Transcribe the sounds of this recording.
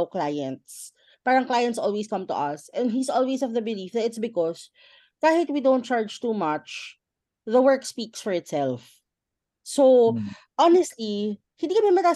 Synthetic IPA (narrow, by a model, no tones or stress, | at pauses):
wklajɛ̃nt̪s | paːɹɾɐɐ̃ŋklajɛ̃nt̪sɔlweskʌ̃mt̪ʊ̰ʔɐsʔɛ̃nd̪isʔɔlwesɔvðəbɪlifðɐt̪ɪt̪sbɪkɔs | d̪̥ahet̪wid̪õʊ̃nt̪̚t͡ʃaɹd͡ʒt̪uːmɐt͡ʃ | ðəwɜ˞kspiksfɔɹɪt̪sɛlf | so | ʔɑnɛst̪li | hɪ̃ind̪ikɐmɛmɛt̪a